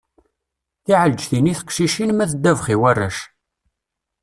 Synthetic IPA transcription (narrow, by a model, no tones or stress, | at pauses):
θiʕəld͡ʒθiniθə̥qʃiʃinmæθəd̪ːævχiwærːæʃ